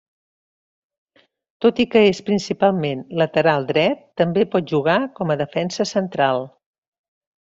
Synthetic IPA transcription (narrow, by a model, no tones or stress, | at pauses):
t̪ot̪ikəespɾinsipalˠmenlət̪əɾalˠd̪ɾɛt̪ːəmbepɔt̪̚ʒuɣ̞akɔməðəfɛnsəsənt̪ɾalˠ